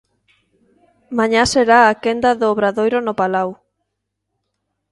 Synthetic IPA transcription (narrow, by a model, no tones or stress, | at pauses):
mãɲaseɾaakend̪ɐðoːβɾaðojɾonopalaw